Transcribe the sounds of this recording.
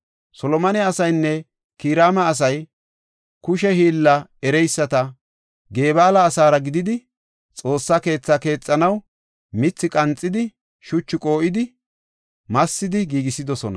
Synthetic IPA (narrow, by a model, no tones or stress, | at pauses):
sɔlɔmɐnɛɐsɐjnːɛ | kiːɾaːmɐːs̬ɐj | kʊʃɛhiːlːɐɛɾɛjsːɐt̪ɐ | ɡe̞ːbaːlɐːsaːɾɐɡɪd̪ɪd̪ɪ | t͡sʼo̞ːsːake̞ːt͡sːake̞ːt͡sʼːɐnɐw | mɪt͡sːɪkʼɐnt͡sʼːɪd̪ɪ | ʃʊt͡ʃːɪkʼo̞ːʔɪd̪ɪ | mɐsːɪd̪ɪɡiːɡɪsːɪd̪ɔsɔnɐ̰